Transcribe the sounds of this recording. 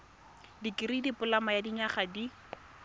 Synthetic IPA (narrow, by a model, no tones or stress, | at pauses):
dikɪridipʊlamajadiɲaχadi